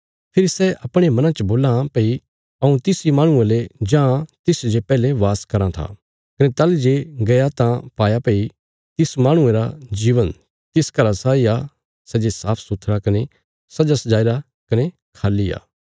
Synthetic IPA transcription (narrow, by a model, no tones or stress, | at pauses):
pʰɪɾisɛʔɐpɽ̃emɐ̃nãt͡ʃəboːlãpei | ɐũt̪ɪsimãːɽ̃ʊ̃ẽled͡ʒãːt̪ɪsd͡ʒepɛːleʋaːskɐɾãt̪ʰa̰ | kɐnet̪ɐld͡ʒeɡɐjat̪ãpaːjapei | t̪ɪsmãːɽ̃ʊ̃ẽɾad͡ʒiːʋən | t̪ɪskɐɾasaːia | sɛd͡ʒesaːpʰsʊt̪ʰɾakɐne | sɐd͡ʒasɐd͡ʒaːiɾa | kɐne | kʰaːlːia̰ː